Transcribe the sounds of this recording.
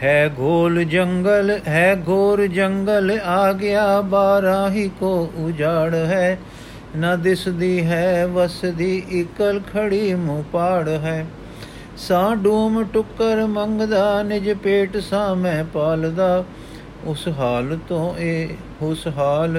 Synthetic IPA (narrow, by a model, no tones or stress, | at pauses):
ɦɛːɡʱoːld͡ʒəŋɡəlɦɛːɡʱoːɾd͡ʒəŋɡəlaːɡɪaːbaːɾãːɦiːkoːʊd͡ʒaːɽɦɛː | nãːd̪ɪsd̪iːɦɛːʋəsd̪iːʔɪkəlkʰəɽiːmũːpaːɽɦɛː | sãːɖuːmʈʊkːəɾməŋɡd̪aːnɪd͡ʒpeːʈsãːmɛ̃ːpaːld̪aː | ʊsɦaːlt̪õːeː | ʊsɦaːl